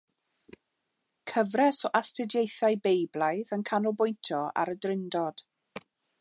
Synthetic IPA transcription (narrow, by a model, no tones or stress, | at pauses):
kʰəvrɛsɔʔastɪdjejθajbejblˠajðənkʰanubʊjntʰjɔa̰ɾədrɪndɔd̥